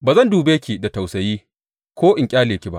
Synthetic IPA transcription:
baː˨zɐ˦nduː˨beː˦kʲi˨da˨ta˨wsɐ˨jiː˦ | kʷoː˦ʔɪ˨ŋkʲʼaː˦leː˨kʲi˦ba̰˦ʔ

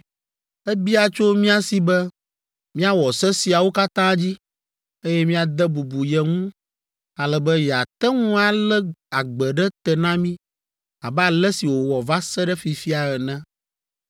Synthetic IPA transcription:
ɛ˦bi˦a˨t͡ʃo˦mĩ˦a˦si˨bɛ˦ | mĩ˦a˦wɔ˨sɛ˦si˨a˨wo˦ka˦t̪ã˦d͡ʑi˦ | e˦jɛ˦mĩ˦a˨d̪ɛ˦bu˨bu˨jɛ˨ŋũ˦ | a˨lɛ˨bɛ˦jɛ˨a˨t̪ɛ˦ŋũ˦a˨lɛ˦a˨ɡ͡bɛ˨ɖɛ˦t̪ɛ˨nã˦mĩ˦ | a˨bɛ˦a˨lɛ˦si˨wo˨wɔ˨va˦sɛ˦ɖɛ˦fi˨fi˦a˨ɣɛ˨nɛ̃˦

